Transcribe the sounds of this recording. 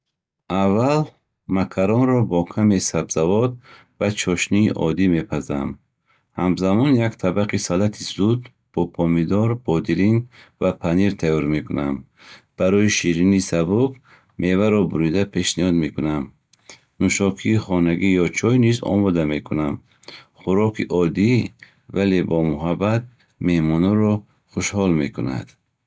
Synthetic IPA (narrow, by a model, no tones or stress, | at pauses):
avːal | makʰaɾɔnɾɔbɔkʰamesabz̥avɔd̪̚ | vat͡ʃʰɔʃniːʔɔ̰d̪ime̞pʰaza̰m | hamzamɔnjakt̪ʰabaqisalat̪ʰizud̪ | b̥ɔpʰɔmid̪ɔɾbɔd̪iɾinvapʰaniɾt̪ʰajɔɾme̞kunam | b̥aɾɔiʃiɾinisabuk | mʔe̞vaɾɔbuɾid̪apʰe̞ʃnihɔd̪me̞kunam | nuʃɔkʰiːχɔnaɡijɔt͡ʃʰɔjnizɔ̰mɔd̪ame̞kʰunam | χuɾɔkʰiʔɔd̪i | vale̞bɔmuɦabat̪̚ | me̞hmɔnɔɾɔ | χuʃhɔlme̞kʰuna̰d̪̥